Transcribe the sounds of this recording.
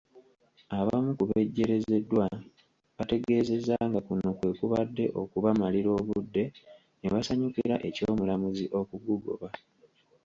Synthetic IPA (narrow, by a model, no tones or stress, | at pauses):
aβa̰mukuβe̞ɟːe̞ɾe̞ze̞dːwa | βate̞ɡe̞ːze̞zaŋɡakuno̞kwe̞ːkuβadːe̞̰ʔo̞kuβamaliɾo̞ːβudːe̞ | neβasaɲukiɾaʔe̞co̞ːmulamuziʔo̞kuɡuɡo̞̰βa